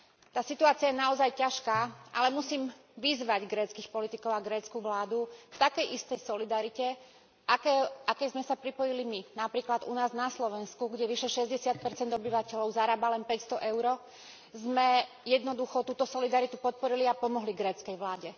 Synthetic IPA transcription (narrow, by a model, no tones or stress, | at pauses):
t̪aːsit̪uaːt͡siajɛnaɔzajcaʃkaːʔalɛmusiːm | ʋizʋaɟɡɾɛːt͡skiːxpɔlit̪ikɔʊaɡɾɛːt͡skuʋlaːd̪ukt̪akɛjʔist̪ɛjsɔlid̪aɾicɛ | ʔakɛʔakɛjzmɛsapɾipɔjiliminapɾiːklad̪unaːznaslɔʋɛnskuɡɟɛʋiʃɛʃɛzɟɛsɪat̪̚pɛɾt͡sɛnd̪ɔbiʋacɛlɔʊzaɾaːbalɛnpɛcst̪ɔʔɛʊɾɔ | zmɛ | jɛd̪nɔd̪uxɔt̪uːt̪ɔsɔlid̪aɾit̪upɔt̪̚pɔɾiliapɔmɔɦliɡɾɛːt͡skɛjʋlaːɟɛ